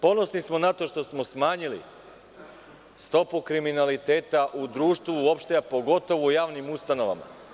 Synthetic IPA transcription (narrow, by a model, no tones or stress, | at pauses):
po̞no̞snismo̞nat̪o̞ʃt̪o̞smo̞smaːɲilḭ | st̪o̞pukɾiminalit̪eːt̪aʔud̪ɾuːʃt̪ʋuːopʃt̪epo̞ɡo̞t̪o̞ʋujaːʋnimust̪ano̞ʋa̰ma̰